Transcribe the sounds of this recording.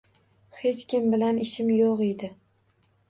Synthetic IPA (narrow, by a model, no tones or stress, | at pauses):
he̞t͡ʃkʲʰɪmbɪlanɪʃɪmjoqed̪ɪ